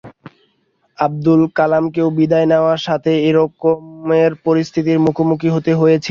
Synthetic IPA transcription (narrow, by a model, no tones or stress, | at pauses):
ab̚d̪ulkalamkewbid̪aeneoaɾʃat̪ʰeeɾokːomeɾpoɾist̪ʰit̪iɾmukʰomukʰiɦot̪eɦojet͡ɕʰi